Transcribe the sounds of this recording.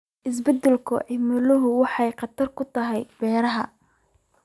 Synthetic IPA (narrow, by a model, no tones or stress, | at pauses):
ʔɪs̬bɛd̪ɛlkʰʊ̰ʕɪmʊlʊɦʊwɑħɑjqɑt̪ʰɐrkʰʊt̪ʰɐɦɛjb̥ɛːɾɐɦɐ